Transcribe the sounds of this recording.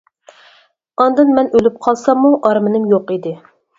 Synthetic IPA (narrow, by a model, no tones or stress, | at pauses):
ɑnd̪ɨnmɛnølyp̚qʰɑlˠsɑmːuʔɑɾmɨnɨmjoqid̪ɪ